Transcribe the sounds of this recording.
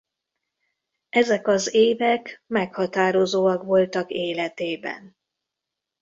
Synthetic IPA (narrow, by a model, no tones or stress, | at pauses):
ɛzɛkɒzeːvɛkmɛkhɒt̪aːɾo̞zoːɒkʋo̞lt̪ɒkeːlɛt̪eːbɛ̰n